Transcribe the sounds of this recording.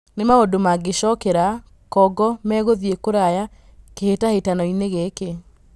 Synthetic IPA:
nemaodomaɡeɕɔkɛɾa | kɔɡɔmɛɣoðiekoɾaja | kehetahetanɔineɣeke

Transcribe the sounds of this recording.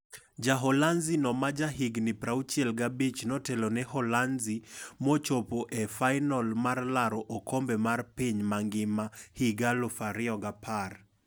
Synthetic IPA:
d͡ʒaɦɔlanzinɔmad͡ʒaɦiɡnɪpɾaut͡ʃiɛlɡabit͡ʃnɔtɛlonɛhɔlanzimot͡ʃopoʔefaɪnɔlmarlaɾɔʔokʰombɛmarpiɲmaŋɡɪmahiɡalɔfaɾɪɔɡapʰar

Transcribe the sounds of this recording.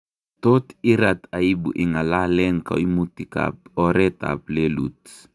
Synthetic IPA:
totiɾataibṵʔiŋalalɛŋka̰imutika̰p̚ɔɾɛta̰plelṵt

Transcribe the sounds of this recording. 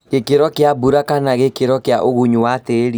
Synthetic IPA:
ɣekeɾɔkeabuɾakanaɣekeɾɔkeaʔoɣuɲuwateɾi

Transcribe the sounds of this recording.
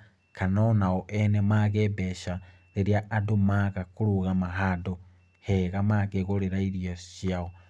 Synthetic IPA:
kʰanonaoʔenemaɣebeʃa | ɾeɾjaːdumaɣakuɾuɣamaɦado | heɣamaɡeɣoɾeɾaiɾijoʃiaɣo

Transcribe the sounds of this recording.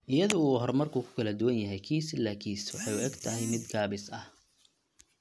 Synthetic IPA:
ʔɪjɐðʊuːɦɔrmɐrkʰuːkʰʊ̥kʰɐlɐd̪ʊwɐnjɐɦɛjkʰiːsɪlaːkʰiːswɑħɑjʊɛɡt̪ʰɐɦɛjmɪd̪ɡaːβɪsɐh

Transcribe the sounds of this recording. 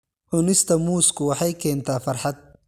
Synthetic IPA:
ʔʊnɪst̪ʰɐmuːskʰʊwɑħɑjkʰɛːnt̪ʰaːfɐrħɑd̪̚

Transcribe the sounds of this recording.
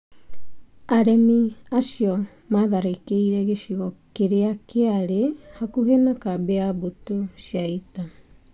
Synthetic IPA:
aɾemiasio | maðaɾekeiɾeɡesiɣokeɾeakʰeaɾehakuɦenakabeabutosiaita

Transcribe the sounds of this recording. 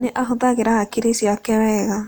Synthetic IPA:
neʔaɦʊðaɣeɾahakiɾesiakɛɾɛɣa

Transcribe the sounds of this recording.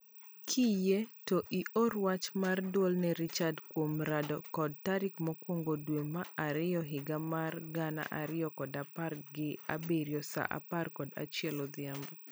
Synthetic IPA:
kʰijetɔʔiɔrwat͡ʃmardwɔlnɛɾit͡ʃadkwomɾadɔkɔd̚taɾɪkmɔkwoŋɡodwemaaɾɪjɔɦɪɡamarɡana̰ʔaɾɪjɔkɔdaparɡɪa̰beɾjɔsa̰ʔa̰parkɔda̰t͡ʃjɛlɔd̪ɪambɔ

